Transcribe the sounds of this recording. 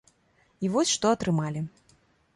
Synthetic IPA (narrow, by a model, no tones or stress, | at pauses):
ivɔsʲʂt̪ɔɐt̪ɾɨmalʲi